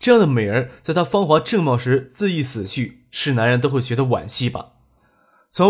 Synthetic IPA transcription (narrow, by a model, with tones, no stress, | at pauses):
ʈ͡ʂɤ˥˧jɑ˥˩ŋd̪ə˩me˨˩ɪə˧˥t͡sa˥˩ɪt̪ʰa˥fɑ˥ŋxwa˧˥ʈ͡ʂɤ˥˧ŋmɑ˥˩ʊʂɻ̩˧˥t͡sɹ̩˥˧i˥˩sɹ̩˨˩t͡ɕʰy˥˩ | ʂɻ̩˥˩na˧˥nɻə˧˥nt̪o˥ʊxwe˥˩ɕɥɛ˧˥d̪ə˧wa̰˨˩nɕi˥˩bɐ̰˩ | t͡sʰʊ˧˥